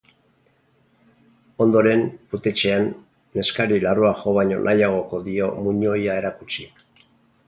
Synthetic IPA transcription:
o̞nd̪o̞ɾe̞mput̪e̞t͡ʃe̞anː | e̞skaɾilaroaʝo̞βaɲo̞̰nʔajaɣ̞o̞ko̞ðio̞muɲo̞jae̞ɾakut͡ʃi

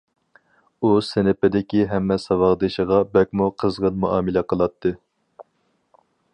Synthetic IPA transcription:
usɪnɪpɪd̪ɪkʲiɦɛmːɛsɑwɑʁd̪ɨʃəʁɑbɛk̚ʲmuqʰəzʁənmuʔɑːmɪlɛqʰəlˠɑt̪ʰːɨ

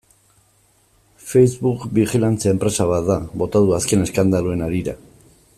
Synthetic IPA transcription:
fe̞jzβukbixilant͡sae̞mpɾe̞saβat̪d̪aβo̞t̪aðuaske̞ne̞skand̪aloe̞naɾiɾa̰

